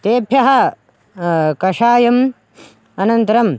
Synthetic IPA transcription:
t̪eːpʰjɐɦɐ | kɐʂaːjɐm | ɐnɐnt̪ɐɾɐm

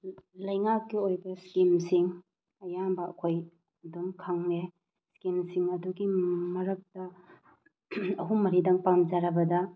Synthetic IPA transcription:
lɐjŋakːiojbɐskimsiŋ | ɐjambɐɐkʰoj | ɐdumkʰaŋne | skinsiŋɐduɡimɐɾɐk̚tɐ | ɐɦumːɐɾidɐŋpamd͡ʒaɾɐbɐdɐ

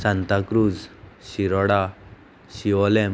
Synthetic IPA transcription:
sant̪akɾud͡zɕiɾɔɽa | ɕiʋɔlem

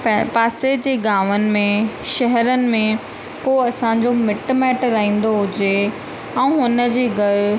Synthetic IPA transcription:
ppaːsed͡ʑeːɡaːʋənɪ̆mẽʃɐɦɛɾənɪ̆mẽ | koɐsãɲd͡ʑomɪʈmɛːʈɾɐɦĩːn̆d̪oɦʊd͡ʑe | ɛ̃ːɦʊnə̆d͡ʑeːɡɐl

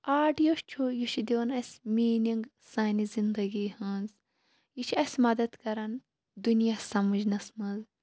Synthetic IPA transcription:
aːɖijoʃt͡ʃʲʰujiʃid̪iʋɐnɐsʲmiːniŋɡ | saːnizind̪ɐɡiːhɐnz | jit͡ʃʰiɐsʲmɐd̪ɐd̪kɐɾɐn | d̪unjasɐmɐd͡ʒnɐsmɐz

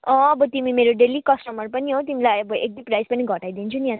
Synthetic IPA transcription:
ʌ̃ʌbʌt̪imimeɾoɖelikʌsʈʌmʌrpʌniɦot̪imilajʌbʌʔek̚d̪iprajspʌniɡʱʌʈajd̪int͡sʰunjã

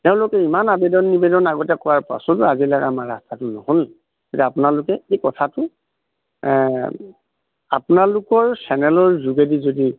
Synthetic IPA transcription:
teʊ̃lʊkɛimanabedɔnːibɛdɔnaɡɔtɛkɔwaɹpa̰sɔtʊazilakamaɹa̰stʰatʊnɔhol | z̥odɛapʊnalʊkɛekɔtʰatʊ | a̰pʊnalʊkɔɹsɛnɛlɔɹzuɡedizodi

